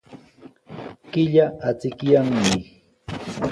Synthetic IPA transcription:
kɪʎaʔat͡sɪkjaŋmɪ

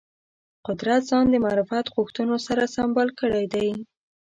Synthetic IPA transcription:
qʊd̪ɾat̪zɑnd̪əmaɾufat̪ɣʊxt̪ənosaɾasambɑlkəɽajd̪aj

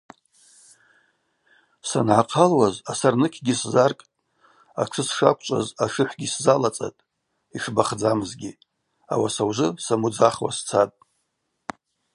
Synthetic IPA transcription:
sanʕaqʰalwazasarnɨkʲʰɡʲiszarkʼ | a̰ʈ͡ʂʰɨsʂakʷʰʼt͡ʃʷʼa̰zaʃɨħʷɡʲiszalat͡sʼa̰tʼ | iʂbaχd͡zamɨzɡʲi | a̰wasawʐʷɨsamud͡zaχwa̰st͡sʰatʼ

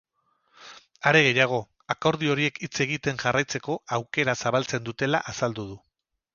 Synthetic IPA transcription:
aɾe̞ɣe̞jaɣ̞o̞ | ako̞ɾð̞io̞ɾie̞kit͡se̞ɣ̞it̪e̞ŋʝarajt͡se̞ko̞awke̞ɾasaβalt͡se̞nd̪ut̪e̞la̰ʔasald̪uð̞u

